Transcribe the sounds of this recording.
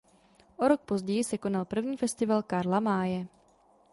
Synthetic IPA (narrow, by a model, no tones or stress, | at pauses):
ʔoɾo̞k̚po̞zɟɛjɪsɛko̞nalpr̩vɲiːfɛst̪ɪvalkaɾlamaːjɛ